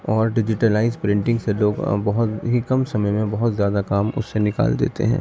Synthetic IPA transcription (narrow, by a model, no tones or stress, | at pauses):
ɔːɾɖɪd͡ʒɪʈəlaːɪzpɾɪ̃ɳʈɪ̃ŋɡseloːɡbɐɦʊt̪ɦikɐmsɐməjmẽbɐɦʊt̪zjaːd̪akaːmʊ̰sːenɪka̰ːld̪ḛːt̪ḛɦɛ̰̃ː